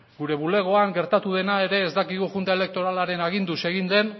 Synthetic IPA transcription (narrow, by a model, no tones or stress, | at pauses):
ɡuɾe̞βule̞ɣ̞o̞aŋɡe̞ɾt̪at̪uðe̞nae̞ɾe̞ːzd̪akiɣ̞uxunt̪ae̞le̞k̚t̪o̞ɾalaɾe̞naɣ̞ind̪use̞ɣ̞ind̪e̞n